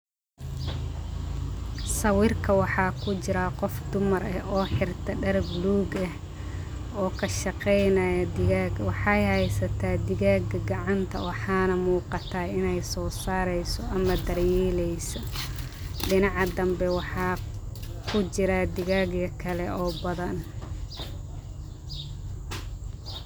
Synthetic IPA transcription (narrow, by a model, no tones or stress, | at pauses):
sɐwɪrkʰɐwɑħɑːkʰʊt͡ʃɪɾɐqɔfd̪ʊmɐrɐɔːħɪrt̪ʰɐɖɐɾbluːɡɐh | ɔːkʰɐʃɑqɛjnɐjɐd̪ɪaːɡwɑħɑjhɛjsɐt̪ʰaːd̪ɪɣaːɡɐɡɑʕɑnt̪ʰɐ̰wɑħɑːnɐmuːqɑt̪ʰaːɪnɛjsɔːsaːɾɛjsɔʔɐmɐd̪ɐrjɛːlɛjsɔ | ɖɪnɑʕɑd̪ɐmbɛwɑħɑː | kʰʊt͡ʃɪɾɐd̪ɪɣaːɡjɐkʰɐlɛʔɔːbɐðɐn